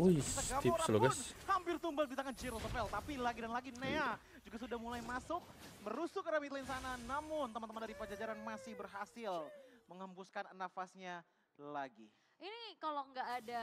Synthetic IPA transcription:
ujsəɡamt̪oɾaloɡashampɪrt̪umbalbit̪aŋant͡ʃiɾəlsofɛlt̪apilaɡidanlaɡinea | d͡ʒuɡasudahmulaimasʊk̚məɾusʊkəɾamit̪lainsananamʊnt̪əmant̪əmandaɾipəd͡ʒad͡ʒaɾanmasɪhbərɦasɪlməŋhampuskannafasɲa | laɡi | ʔinikaloŋɡaːda

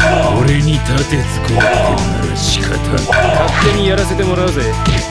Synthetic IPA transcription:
koɾe̞ɲ̟it̪at̪et͡sɨ̥kɯt̪t̪ena | ɕi̥kaka̰kat̪ːẽ̞ɲ̟ːijaɾase̞t̪e̞mo̞ɾaɯd̪oe̥

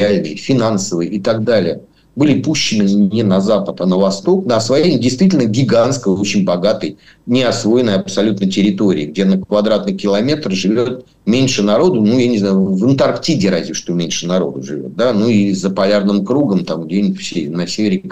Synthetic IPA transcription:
alʲnɨjfʲɪnansəvɨjʔɪt̪aɡ̚d̪alʲɪjə | bɨlʲɪpuɕːɪnɨnʲɪnɐzapət̪anəvɐst̪o̞knoɐsvɐjemʲdʲɪjst̪vʲitʲlʲnəɡʲɪɡanskəjot͡ɕɪnʲbɐɡat̪əj | nʲɪɐsvo̞jɪnːəjɐpsɐlʲut̪nəjtʲɪɾʲɪt̪o̞ɾʲɪ̰əɡdʲe̞nəkvɐd̪ɾat̪nɨkʲɪlˠɐmʲe̞t̪rʐɨvʲot̪̚ | mʲenʲʂɨnɐɾo̞d̪ʊnujanʲɪznajʊvɨnt̪ɐrktʲidʲɪɾazʲvʲɪʂt̪omʲenʲʂɨnɐɾo̞̰d̪ʊʐɨvʲo̰t̪̚d̪anuizəpɐlʲarnɨmkɾuɡəmt̪amɡdʲenʲɪfsʲenɐsʲevʲɪɾʲɪɪk

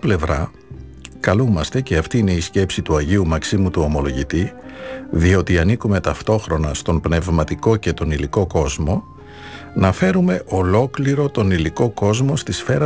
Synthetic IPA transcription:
ple̞vɾɐ | kɐlumɐst̪e̞ceɐft̪iːine̞isce̞psit̪uɐʝiumɐksimut̪uo̞mo̞lo̞ʝit̪i | ðio̞t̪iɐnikume̞t̪ɐft̪o̞xɾo̞nɐst̪o̞mpne̞vmɐt̪iko̞ce̞t̪o̞niliko̞ko̞zmo̞ | nɐfe̞ɾume̞ʔo̞lo̞kliɾo̞t̪o̞niliko̞ko̞zmo̞st̪isfe̞ɾɐ

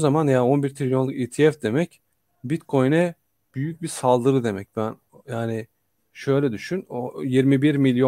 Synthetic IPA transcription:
ozamanjao̞nbiɾt̪ʰɾilʲjo̞nˠukiːt̪ʰijɛfd̪e̞mɛc | bit̪kʰo̞jnɛ | b̥yjyc̚biɾsalˠd̪ɯɾɯd̪e̞mɛc̚bæn | jaːnɪ | ʃø̞jlʲɛd̪yʃynojiɾmibiɾmilʲjo

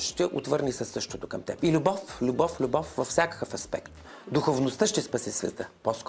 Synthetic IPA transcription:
ʃt̪ɛʔo̰t̪vɤɾnisɐsːɤʃt̪ot̪okɐmt̪ɛ̰pilʲʊbɔflʲubɔflʲʊbɔfvɐfsʲakə̥kəfɐspɛ̰kt̪ | d̪uxovnost̪əʃt̪ɛspɐsisvʲɛ̰t̪əposk

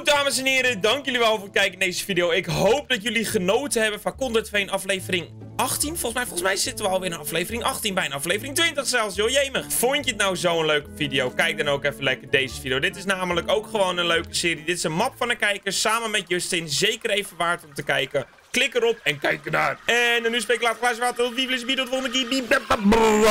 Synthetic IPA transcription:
daːməsɛnɪːɾədɑŋkjøliʋɛlˠfʊːrət̚kɛjkndejzəfidijowɪkɦowp̚dɔtjøliχənoːtəɦɛbənfakɔndətfejənɑflejvərɪŋ | ɑxtinfɔlˠsmɛjfɔlˠsmɛjsɪtəʋəɔlˠʋɪːɾənɑflejvərɪŋɑxtinbɛjənɑflejvərɪŋtʋɪntəxsɛlˠsjojɛjməfʊjntjətnawzowənløːkəfidijowkɛjk̚dɔnowkɛfənlɛkərdejzəfidjoːdɪtɪsnaːmələkowkxəʋoːnənløːkəsɪːɾidɪtɪsənmɑpfɔnəkɛjkəsaːmənmɛtjøstɪnzejkərejfənʋaːtomtəkɛjkə | klɪkəɾɔpɛnkɛjk̚ənaːrɛndɔnyspekylaːtxlasəʋaːtɪʋivlɪsfidotʋondəkibibɛbb

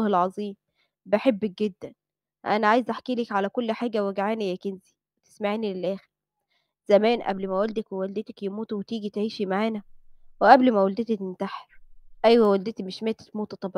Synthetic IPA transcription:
helʕɑzˤiːm | beħebːæk̚ɡed̪ːæn | ʔæ̰næʕaːjezʔaħkiːlekʕalækolːħaːɡæwæɡʕaːnijækenzi | wet̪e̥smaʕiːnilelʔæːxeɾ | z̥æmæːnʔæ̰blmæwæld̪ækwewæld̪et̪ækjemuːt̪wet̪iːɡit̪ʕiːʃimaʕaːnæweʔæblmæwæld̪et̪æt̪ent̪aħeɾʔæjwæwæld̪et̪imeʃmæːt̪æ̥t̪muːt̪t̪ˤːɑb

